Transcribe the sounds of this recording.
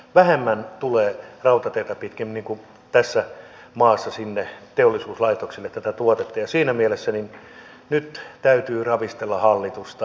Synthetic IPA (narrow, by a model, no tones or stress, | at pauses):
ʋæhemːænt̪uleːrɑut̪ɑt̪eit̪ɑpit̪kæmniːŋku | t̪æsːæ | mɑːsːɑsinːet̪eolːˑisuːslɑit̪oksilːˑet̪ːæt̪æt̪uot̪et̪ːɑjɑsiːnæmielesːænin | nyt̪t̪æyt̪yːrɑʋist̪elːɑhɑlːit̪ust̪ɑ